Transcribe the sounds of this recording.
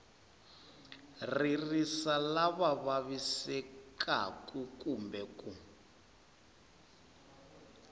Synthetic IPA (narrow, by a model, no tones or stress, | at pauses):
ririsalaβaβaβisɛkʰa̰kʼukumbɛku